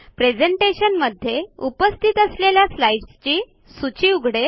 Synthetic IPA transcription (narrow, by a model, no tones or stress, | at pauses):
pɾed͡zeɳʈeɕənməd̪ʱːjeupəst̪ʰit̪əsleljaslaiʈst͡ɕiː | sut͡ɕiːuɡʱɽe